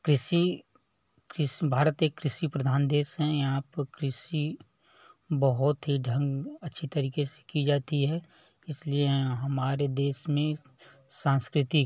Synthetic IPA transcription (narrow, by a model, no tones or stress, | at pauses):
kɾɪʃi | kɾɪʃbʱaːɾət̪eːkːɾɪʃipɾəd̪ʱaːnd̪eːʃɦɛ̃jɦãːpkɾɪʃi | bɐɦʊt̪ɦiɖʱə̃ŋɡɐtːʃʰit̪ɐɾiːkese̥kid͡ʒaːt̪iɦɛː | ɪslieɦɐmaːɾed̪eːʃmẽ | sãːnskɾɪt̪i